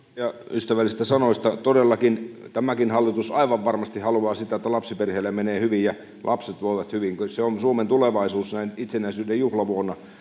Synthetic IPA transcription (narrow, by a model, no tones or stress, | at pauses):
jɑyst̪æʋælːˑisist̪æsɑnoist̪ɑt̪odelːɑkint̪æmækinhɑlːit̪usɑiʋɑʋʋɑrmɑst̪ihɑluɑːsit̪æet̪ːælɑpsiperheːlːemmeneːhyʋijjɑ | lʔɑpset̪ʋoiʋɑt̪hyʋiŋkseonsuoment̪uleʋɑisuːsnæinit̪senæisyːdejjuhlɑʋuonːɑ